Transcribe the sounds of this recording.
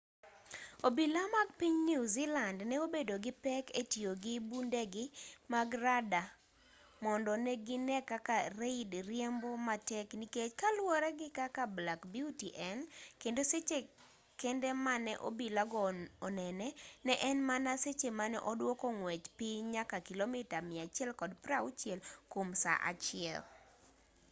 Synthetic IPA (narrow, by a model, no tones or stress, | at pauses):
obilamaɡ̚piɲniuzilandnɛobedoɡɪpɛketjoɡɪbundɛɡɪmaɡrada | mɔndɔnɛɡɪnɛkakareidɾjɛmbɔmatɛkniket͡ʃkalwɔɾɛɡɪkakablakbjutiʔɛnkendoset͡ʃe | kendɛmanɛʔo̰bilaɡɔɔnɛnɛnɛʔɛnmanaset͡ʃemanɛʔɔdwɔkɔŋwɛt͡ʃpɪɲakakilomɪtamɪat͡ʃɪɛlkɔdpɾaut͡ʃjɛlkomsa̰ʔa̰t͡ʃɪɛ̰l